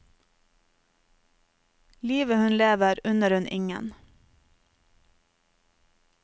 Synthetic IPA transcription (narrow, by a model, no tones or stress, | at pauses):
liːʋəhʉnleːʋəɾʉnəɾʉnʔɪ̰ŋə̰n